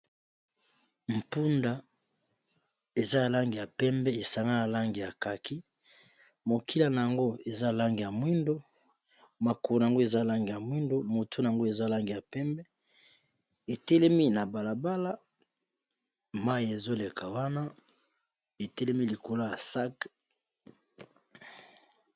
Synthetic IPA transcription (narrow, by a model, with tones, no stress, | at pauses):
m̩˨pu˦nda˨ | e˨za˦ja˨la˦ŋɡi˨ja˨pɛ˦mbɛ˦e˨sa˨ŋɡa˦la˨la˦ŋɡi˨ja˨ka˨kʰi˦ | mo˨kʰi˦la˨na˨ja˨ŋɡo˦e˨za˦˨la˦ŋɡi˨ja˨mwi˦ndo˦ | ma˨ko˨o˨na˨aŋɡo˦e˨za˦˨la˦ŋɡi˨ja˨mwi˦ndo˦mo˨tʰu˦na˨a˨ŋɡo˦e˨za˦˨la˦ŋɡi˨ja˨pɛ˦mbɛ˦ | e˨tɛ˦lɛ˦mi˦na˨ba˨la˨ba˦la˦ | ma˦ji˨e˨zo˦le˨kʰa˨wa˦na˦ | e˨tɛ˦lɛ˦mi˦li˨ko˨la˦ja˨sa˦k